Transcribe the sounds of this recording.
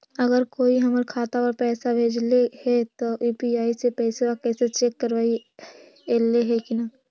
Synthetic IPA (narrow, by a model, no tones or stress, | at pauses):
ɐɡəɾkoːiɦɐməɾkʰaːt̪aɔːɾpɛːsabʱeːd͡ʒlehɛt̪ouːpiaːisepɛːsewakɛːset͡ʃeːkːəɾʋaːi | eːleɦɛkina